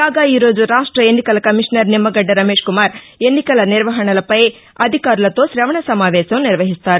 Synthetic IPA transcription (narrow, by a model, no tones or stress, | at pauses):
kaːɡaːiːɾo̞ːd͡ʒuɾaːʂʈɾɐenːikɐlɐkɐmiʂnɐɾnimːɐɡɐɖːɐɾɐmeːʂkumaːɾ | e̞nːikɐlɐniɾʋɐɦɐɳɐlɐpɐj | ɐd̪ʱikaːɾulɐt̪o̞ːʃɾɐʋɐɳɐsɐmaːʋɛːʃɐmniɾʋɐɦist̪aːɾu